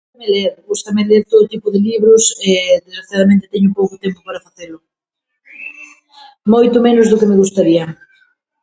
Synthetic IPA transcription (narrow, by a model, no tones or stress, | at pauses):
meleɾɣust̪ɐmɪleɾt̪oðot̪ipʊðɪliβɾʊsɛðezɣɾaθjaðamẽnt̪ɪt̪ɛɲʊpowkʊt̪empopaɾafaθelʊ | mojt̪ʊmenʊzðʊkemɪɣust̪aɾiɐ